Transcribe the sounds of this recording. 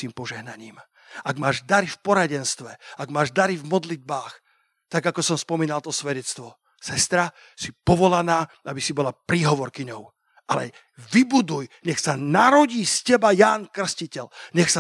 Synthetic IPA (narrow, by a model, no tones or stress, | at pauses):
iːmpɔʒɛɦnaɲiːm | aɡmaːʒd̪aɾifpɔɾaɟɛnst̪ʋɛaɡmaːʒd̪aɾivmɔd̪lid̪̚baːx | t̪aɡakɔsɔmspɔmiːnalt̪ɔsʋɛɟɛt͡st̪ʋɔ | sɛst̪ɾa | sipɔʋɔlanaːabisibɔlapɾiːɦɔʋɔɾkiɲɔʊ | ʔalɛ | ʋibud̪ujɲɛxsanaɾɔɟiːscɛbajaːnkr̩scicɛʎɲɛxsa